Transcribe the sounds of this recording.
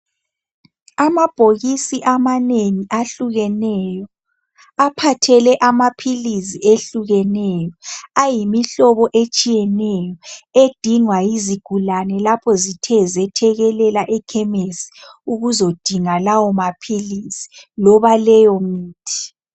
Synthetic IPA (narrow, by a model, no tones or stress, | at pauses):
amab̥ʱoɣisiʔamaneŋiʔaɬuɣɛnɛjɔ | apʰatʰɛlɛʔamapʰilisieɬuɣɛnɛjɔajimiɬɔβɔʔet͡ʃʼijɛnɛjɔed̥ʱiŋwajiziɡ̥ʱulanɛlapʰɔzitʰɛzɛtʰɛɣɛlɛlaʔɛkʰɛmesi̥uɣuzod̥ʱiŋalawɔmapʰiliːsi̥lɔβalɛjɔmiːtʰi̥